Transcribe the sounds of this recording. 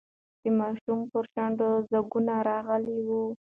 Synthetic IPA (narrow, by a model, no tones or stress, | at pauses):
d̪̥əmɑʃumpəɾʃaɳɖ̪əzaɡunaɾɑɣəliwu